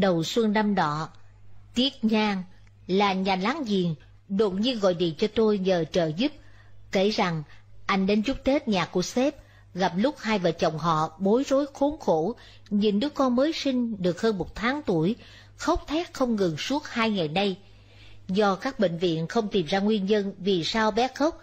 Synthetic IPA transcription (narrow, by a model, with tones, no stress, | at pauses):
ɗə˨˩wswə˧nna˧mɗɔ̰˧˦t̪i˦˥ət̚ɲaː˧ŋ | laː˨˩ɲaː˨˩laː˨˦ŋzi˨˩əŋ | ɗo˨˩t̚ɲi˧ənɣɔ̰˧˨jɗḭ˧˨t͡ɕɔ˧t̪o˧jɲəː˨˩t͡ɕə̰ː˧˨zu˦˥p̚ | ke˧˩za˨˩ŋʔa˧jŋ̟ɗe˧nt͡ɕʊ˦˥k͡p̚t͡ɕe˦˥t̚ɲaː˨˩ku˧˩əsɛ˦˥p̚ | ɣa˨˩p̚lʊ˦˥k͡p̚haː˧jvaː˨˩t͡ɕə˨˩wŋ͡mɦɔ̰˧˨ɓo˨˦jzo˨˦jxo˨˦nxo˧˩ | ɲi˨˩nɗɨ˨˦əkɔ˧nməː˨˦jsï˧ŋ̟ɗɨ˨˩ək̚həː˧nmo˨˩t̚t̪ʰaː˨˦ŋt̪u˧˩əj | xə˦˥k͡p̚t̪ʰɛ˦˥t̚xə˧wŋ͡mŋɨ˨˩ŋsu˦˥ət̚haː˧jŋa˨˩jna˧j | zɔ˧kaː˦˥k̚ɓḛ˧˨ŋ̟vḭ˧˨ənxə˧wŋ͡mt̪i˨˩mzaː˧ŋwi˧ənɲə˧nvi˨˩saː˧wɓɛ˨˦˥xə˦˥wk͡p̚